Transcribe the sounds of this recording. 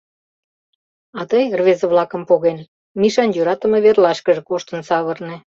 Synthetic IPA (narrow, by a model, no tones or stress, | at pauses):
ɑt̪əjrvezəβlɑkə̆mpoɣen | miʃɑnjøɾɑt̪ə̆meβerlɑʃkəʒĕkoʃt̪ənsɑβərnĕ